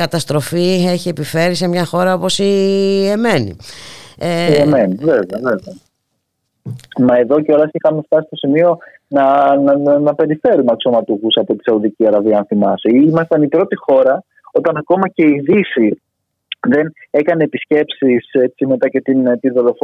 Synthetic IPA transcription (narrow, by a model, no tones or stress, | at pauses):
kɐt̪ɐst̪ɾo̞fieçie̞pife̞ɾise̞mɲɐxo̞ɾɐo̞po̞sieme̞nḭeemeniveveɐveveɐ | mɐeðo̞ceo̞lɐsixɐmeft̪ɐsist̪o̞simio̞ | nɐnnɐpe̞ɾife̞ɾumeɐkso̞mɐt̪uxusɐpo̞t̪i̥sɐuðiciɐɾɐviɐnθimɐseiimɐst̪ɐnipɾo̞t̪ixo̞ɾɐ | o̞t̪ɐnɐko̞mɐce̞iðifi | ðe̞ne̞kɐne̞ːpisce̞psise̞t͡sime̞t̪ɐce̞t̪int̪iðolof